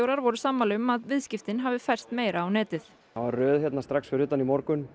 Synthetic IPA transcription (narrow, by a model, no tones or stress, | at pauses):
owɾaɾvɔɾʏsamːalɛʏmaðvɪðscɪft̪ɪnɦavɪfɛr̥st̪meːjɾaːwnɛːt̪ɪθ | avarrœːðçjɛt̪nast̪ɾaksfɪɾʏːt̪ːanimɔɾkʏn